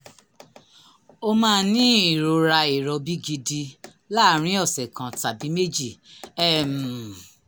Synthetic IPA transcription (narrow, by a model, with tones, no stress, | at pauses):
o˦mãː˦nĩ˦i˦˨ɾo˧ɾa˧i˨ɾɔ˧bi˦ɡi˧di˧ | la˦˨ɾ̃ĩ˦ɔ˦˨sɛ˨kã˨ta˨bi˨˦me˦d͡ʒi˦˨ɛ˦˨m̩˨